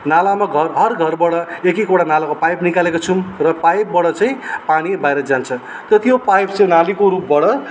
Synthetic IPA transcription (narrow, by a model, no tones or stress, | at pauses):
nalamaɡʱʌrɦʌrɡʱʌrbʌɽʌekikoɽanalakopajpnikalekot͡sʰumrʌpajp̚bʌɽʌt͡saĩpanibajɾʌd͡zant͡sʰʌ | t̪ʌt̪ijopajpt͡saj̃nalikoɾup̚bʌɽʌ